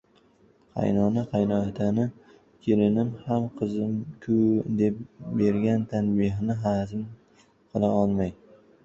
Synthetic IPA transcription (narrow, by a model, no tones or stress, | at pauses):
qʰɑ̰jnɒnaqʰɑjnɒat̪ʰanɪ | kʲʰelɪnɪmhamqʰɨzɪmkʲʰʊd̪e̞p̚beɾɡʲant̪ʰanbɪɦnɪɦazɪm | qʰɨlˠaɒlˠmaj